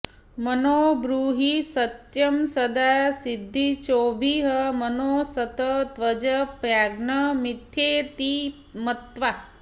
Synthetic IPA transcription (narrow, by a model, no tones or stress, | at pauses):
mənoːbɾuɦisɐt̪jɐmsɐd̪aːsid̪ʱːit͡ʃoːbʱiɦəmɐnoːsɐt̪ɐt̪ʋɐd͡ʒɐpɾaːɡnɐmit̪ʰjeːt̪i | mɐt̪ʋa